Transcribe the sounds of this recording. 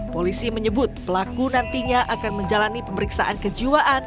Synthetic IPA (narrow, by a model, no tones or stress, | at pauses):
polisiməɲəbʊt̪̚pəlakunant̪iɲaʔakanməɲd͡ʒalanipəməɾiksa̰ʔankəd͡ʒiwaʔan